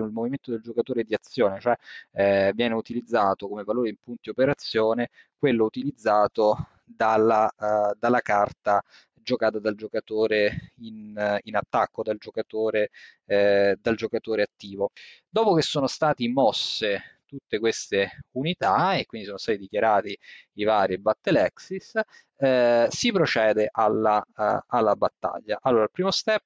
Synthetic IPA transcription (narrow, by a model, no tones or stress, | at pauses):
nilmoviment̪od̪eld͡ʒokat̪oːɾed̪iat̪sːjoːnet͡ʃoɛ | vjɛːneut̪ilid̪zːaːt̪okomevaloːɾeimpunt̪iopeɾat̪sːjoːne | kwelːout̪ilid̪zːaːt̪o | d̪alːad̪alːakart̪a | d͡ʒokaːt̪ad̪ald͡ʒokat̪oːɾeininat̪ːakːod̪ald͡ʒokat̪oːɾe | d̪ald͡ʒokat̪oːɾeat̪ːiːvod̪ɔːpokesːoːnost̪aːt̪imɔsːet̪ut̪ːekwest̪eunit̪aekwind̪isoːnost̪aːt̪id̪ikjaɾaːt̪iivaːɾibat̪ːelɛksis | sipɾot͡ʃɛːd̪eʔalːaalːabat̪ːa̰ʎːaʔalːoːɾalpɾiːmost̪ɛp̚ː